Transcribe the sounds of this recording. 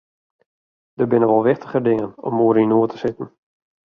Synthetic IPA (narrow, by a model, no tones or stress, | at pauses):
dəbɪnəʋɔlˠʋɪχtəχədɪŋənɔ̰muəɾinuətəsɪtən̩